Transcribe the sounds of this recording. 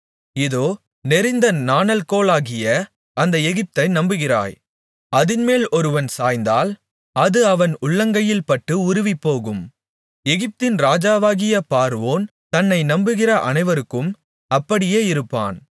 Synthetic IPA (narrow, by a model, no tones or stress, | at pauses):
ɪðoː | nɛɾɪnd̪ɐnaːnɐlkoːlaːɣɪjɐ | ɐnd̪ɐɛɣɪp̚t̪ɐɪnɐmbɯɣɪra̰ːj | ɐðɪnmeːlɔɾɯʋɐnsaːjnd̪aːl | ɐðɯɐʋɐnʊɭːɐŋɡɐjɪlpɐʈːɯʊɾʊʋɪpːoːɣɯm | ɛɣɪp̚t̪ɪnɾaːd͡ʒaːʋaːɣɪjɐpaːɾʋoːnt̪ɐnːɐɪnɐmbɯɣɪrɐʔɐ̰nɐɪʋɐɾɯkːɯm | ɐpːɐɽɪjeːɪɾɯpːa̰ːn